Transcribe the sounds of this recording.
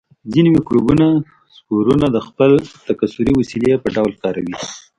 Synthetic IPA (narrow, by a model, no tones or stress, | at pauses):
zineweklubuna | skuɾunad̪əxpəlt̪akasuɾiwasilepəɖawlkɑɾawi